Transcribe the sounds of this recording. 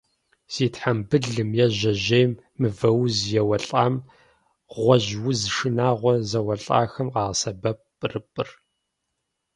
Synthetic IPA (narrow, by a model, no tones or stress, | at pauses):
z̥iːtħambɨɮɨmjɛʑɐʑejmːɨvɐwzjɛwɐɬʼaːm | ʁʷɔʑwʊzʂɨnaːʁʷɔzɐwɐɬʼa̰ːxɐmqɑːʁɐsɐbɐp̚ʼ | rɨpʼɨ̰r